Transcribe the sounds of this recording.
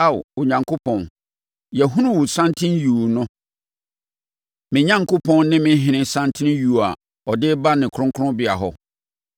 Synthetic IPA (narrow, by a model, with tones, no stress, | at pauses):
a˦˨wʊ˨ɲã˨ŋkʰo˦pʰɔ̃˨n | jɛ˨ɦũ˦nũ˦wʊ˨sã˦ntʰɪ̃˦nju˨nʊ̃˦ | mɪ̃˨ɲã˦ŋko˦pʰɔ̃˦nnɪ̃˦mɪ̃˦ɦɪ̃˨nɪ̃˦nsã˦ntʰɪ̃˦ñ˦ju˨a˨ | ɔ˨dɪ˦ba˦nɪ̃˨kʰɾʊ̃˦ŋkʰʊ˦ʊ̃˦bɪ˨a˨ɦɔ˦